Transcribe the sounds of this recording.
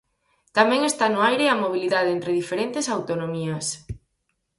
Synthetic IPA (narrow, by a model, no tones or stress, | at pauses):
t̪amɛ̃ŋest̪anʊajɾeamoβ̞iliðaðent̪ɾeðifeɾent̪esawt̪onomiɐs